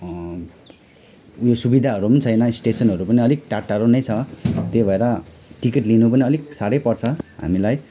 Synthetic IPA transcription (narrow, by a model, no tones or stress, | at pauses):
josubid̪ʱaɦʌɾumʌnit͡sʰʌjnʌisʈesʌnɦʌɾupʌniʌlik̚ʈaʈːaɾonʌjt͡sʰʌt̪ebʱʌeɾʌ | ʈikiʈlinupʌniʌliksaɽʌjpʌrt͡sʰʌɦa̰milaj